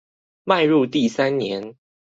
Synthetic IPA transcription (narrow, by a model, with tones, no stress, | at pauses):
ma˥˧ɪɻu˥˧t̪i˥˨sa˦nnjɛ˧˦n